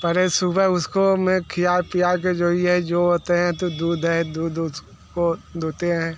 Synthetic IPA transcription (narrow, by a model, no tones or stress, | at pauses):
pɐɾesʊbəʊskomẽkʰɪjapijak̬ed͡ʒoːiɦɛd͡ʒoːoːt̪eɦɛ̃t̪od̪uːd̪ʱɦɛ̃d̪uːd̪ʊ | kod̪oːt̪eɦɛ̃ː